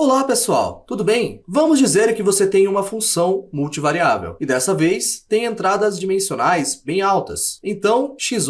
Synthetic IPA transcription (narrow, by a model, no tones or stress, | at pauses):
olapesua̰wt̪ud̪ʊbẽj̃vɐ̃mʊzd͡ʒizeɾkɪvoset̪ẽj̃ũmɐfũsɐ̃w̃muwt͡ʃivaɾiavḛwɪd̪ɛstɐvejst̪ẽj̃ẽnt̪ɾad̪ɐzd͡ʒimẽsionajsbẽj̃awt̪ɐ̰sẽnt̪ɐ̃w̃ʃiz